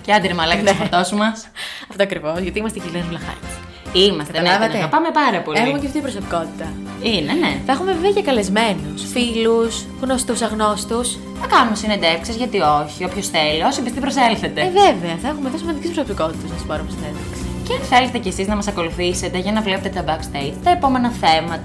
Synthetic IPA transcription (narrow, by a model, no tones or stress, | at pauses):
ceɐd̪iɾimɐlɐkɐt̪sfɐt̪osumɐsɐft̪oɐkɾivo̞zʝɐt̪imɐst̪ʝilinovlɐxɐ̰ɲi | imɐstkɐeɐnvɐɐeɐpɐme̞pɐɾɐpo̞leixumeceft̪ipɾosopiko̞t̪i̥t̪ɐ | ineneθɐexumevviɐʝɐkɐle̞zme̞nusfilus | ɣnost̪usɐɣno̞st̪us | θɐkɐnumesinend̪efksizʝɐt̪ioçiopçosθeliosibist̪ipɾoselθet̪eveveɐθɐexumeðosimɐnd̪icispɾosopikot̪i̥t̪ɐznɐsu̥pɐɾumest̪inend̪efksii̥ceθelest̪ecesiznɐmɐsɐko̞luθise̞t̪e̞ʝɐnɐvlepet̪et̪ɐbɐkst̪ejtt̪ɐepo̞me̞nɐθemɐt̪